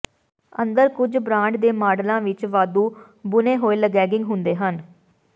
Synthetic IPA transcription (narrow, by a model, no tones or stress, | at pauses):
ənd̪əɾkʊd͡ʒbɾãːɳɖd̪eːmaːɖlãːʋɪt͡ʃʋaːd̪uː | bʊnẽːɦoːeːləɡɛːɡɪŋɡɦʊnd̪eːɦən